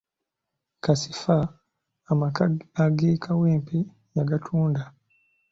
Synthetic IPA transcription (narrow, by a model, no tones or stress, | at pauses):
kasifaː | maaɡikʰawimpi | jaɡatʰunda